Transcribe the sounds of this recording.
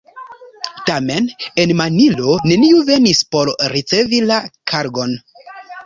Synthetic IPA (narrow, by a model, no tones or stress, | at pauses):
tame̞ne̞nmanilo̞ne̞niuve̞nispo̞ɾɾit͡se̞vilakʰaɾɡo̞n